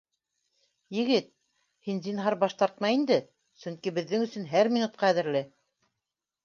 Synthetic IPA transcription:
jɘ̆ɡɘt̪̚ | hinzinɦɑɾbɑʃt̪ɑɾt̪mɑjind̪ɘ | sɵŋkibɘ̆ðːɘŋɵ̆sɵ̆nɦæɾmʲinut̪̚qɑæðɘ̆ɾlɘ

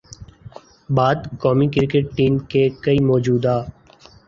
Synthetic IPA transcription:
baːd̪kɔːmikɪɾɪkeʈ̚ʈiːmkekəimɔːd͡ʒuːd̪aː

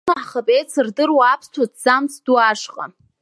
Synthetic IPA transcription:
aħχəpʼejt͡sʰɨrdɨrwaːpʰstʰotʰz̥amt͡sʰduaʂqʼa̰

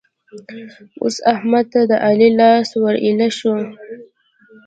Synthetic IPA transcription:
o̰sahmad̪̚t̪ad̪əʔalilɑswaɾʔilaʃu

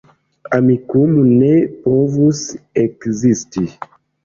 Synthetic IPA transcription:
amikumunepovusekzisti

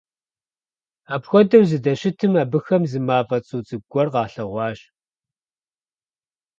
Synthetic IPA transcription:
aːpxʷɔdɐwzɨdɐɕɪtʰɨmaːbɨxɐmzɨmaːvɐt͡sʼuːt͡sʼɨɡʷɔrqɑːɬɐʁʷɑːɕ

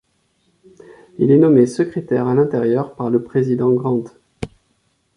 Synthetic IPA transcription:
ilɛnɔmesəkχet̪ɛʁalɛ̃t̪eʁjœʁpaʁləpχezid̪ɑ̃ɡʁɑ̃t̪

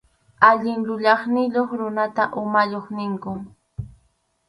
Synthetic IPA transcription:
aʎɪŋʎʊʎɑχnɪʎoχɾʊnat̪aʔʊmaʎoχnɪŋkʊ

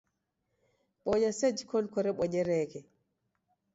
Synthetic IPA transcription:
ɓɔɲased͡ʒikɔnkɔɾɛɓɔɲɛɾɛːkɛ

